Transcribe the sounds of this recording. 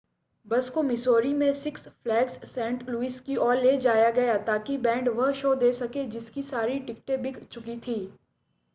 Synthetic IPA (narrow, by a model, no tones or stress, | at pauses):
bɐskomɪsoːɾimẽsɪksflɛːksːɛ̃ːɳʈluiːskiʔɔːɾleːd͡ʒaːjaɡɐjat̪aːkibɛ̃ːɳɖʋɐɦʃoːd̪eːsɐked͡ʒɪskisaːɾiʈɪkʈebɪkt͡ʃʊkit̪ʰiː